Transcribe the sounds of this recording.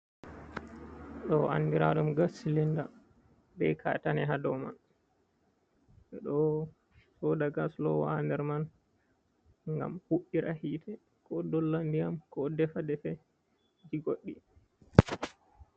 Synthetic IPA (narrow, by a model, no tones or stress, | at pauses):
ɗɔa̰nːdiɾaɗumɡasilinda | bɛkʰa̰tanɛɦadɔma̰n | ɛɗɔ | sɔdaɡaslɔwandɛɾman | ŋɡa̰mhuɗːiɾʔahiːtʰɛ | kʰɔdɔlːandijamkɔdɛfadɛfɛ | d͡ʒiɡoɗːi